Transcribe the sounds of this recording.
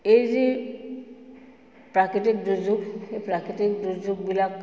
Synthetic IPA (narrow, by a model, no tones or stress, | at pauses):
ejzi | pɾakɾiʈik̚dud͡ʒukhepɾakɾiʈik̚dud͡ʒuk̚bilak